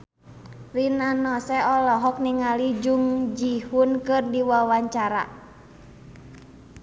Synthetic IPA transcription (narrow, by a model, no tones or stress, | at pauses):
rinanɔsɛɔlɔɦɔk̚niŋalid͡ʒuŋd͡ʒihunkɨrdiwawaɲt͡ʃaɾa̰